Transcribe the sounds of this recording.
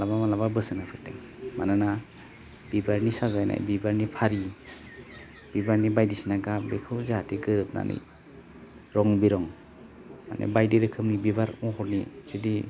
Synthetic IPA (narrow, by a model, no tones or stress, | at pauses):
alabamalaβabɯsɯnapʰɯɾteŋ | manɯna | b̥ibaɾnisazajna̰jbibaɾnipʰaɾi | b̥ibaɾnibajdisinaɡabekʰɯwzatʰiɡɯɾɯp̚na̰nʔḭj | ɾɔŋbiɾɔŋ | ma̰nḛbajdiɾɯkʰɯmnibibaɾɔɦɔɾnḭsidi